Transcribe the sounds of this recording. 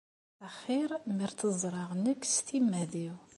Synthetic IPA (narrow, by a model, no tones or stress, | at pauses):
æχiɾˤmiɾt̪əzˤɾˤɑʁnəkːst̪imːæðiw